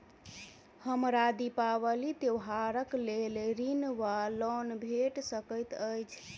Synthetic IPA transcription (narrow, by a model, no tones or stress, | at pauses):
həmɾad̪ipawəlid̪ewɦaɾəklelɾinʋalɔnbʱeʈsəkəjt̪əjt͡ʃʰ